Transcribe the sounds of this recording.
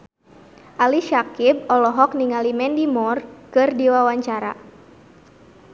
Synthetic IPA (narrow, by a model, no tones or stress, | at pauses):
ʔaliʃakib̚ɔlɔɦɔk̚niŋalimɛndimɔrkɨrdiwawaɲt͡ʃaɾa̰